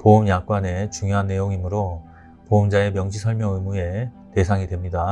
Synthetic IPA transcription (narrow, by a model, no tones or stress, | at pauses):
poumjak͈wane̞t͡ɕuŋjoɦanːe̞joŋimɯɾo | poumd͡ʑae̞mjʌŋd͡ʑisʰʌɭmjʌŋɯmue̞ | te̞sʰaŋidwe̞mɲida